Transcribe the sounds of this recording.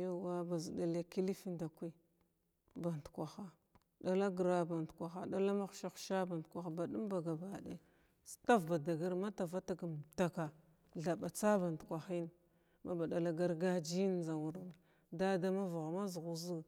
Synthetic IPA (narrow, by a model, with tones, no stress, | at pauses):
ja˦wa˦ba˨zi˨da˨le˦ki˦li˦fi˦nda˨kʷi˦ | ba˨n˨tkʷa˨xa˦ | da˨la˦ɡɾa˦ba˨ntkʷa˨xa˨da˦la˦ma˦xʃa˦xʃa˦ba˨n˨tkʷa˨xa˨ba˨ɗu˦mba˨ɡa˨ba˨de˦ | sta˦vba˨da˨ɡa˦ɾma˦ta˨va˦ta˦ɡa˨m˨ta˨ka˨ | ɮa˨ba˨t͡sa˦ba˨n˨tkʷa˨xi˦n˨ | ma˦ba˨ɗa˨la˦ɡa˦ɾɡa˦d͡ʒi˦n˦za˨wu˨ɾm˨ | da˦da˦ma˦va˨ɣma˦zɣu˨zi˦